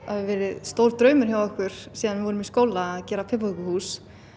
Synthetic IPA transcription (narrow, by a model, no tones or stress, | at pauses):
havɪvɛːɾɪðst̪owlt̪ɾœːɥmʏɾ̥çjawɔhkvʏɾ̥siːðanvɪvɔːɾʏmiskoːwlaːðcɛːɾapʰɪpaʏkʏhuːs